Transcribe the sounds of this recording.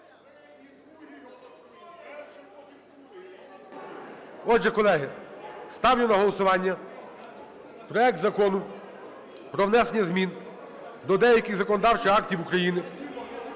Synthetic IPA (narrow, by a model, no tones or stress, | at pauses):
ɔʒɛkɔlˠɛɦɪst̪ɑwnʲʊnɐɦɔlˠɔsʊʋɑnʲːɐ | pɾɔɛk̚t̪zɐkɔnʊ | pɾɔwnɛsenʲːɐzmʲin | d̪ɔd̪ɛjɐkʲɪɣzɐkɔnɔd̪ɑwt͡ʃɪɑktʲiwukɾɐjinɪ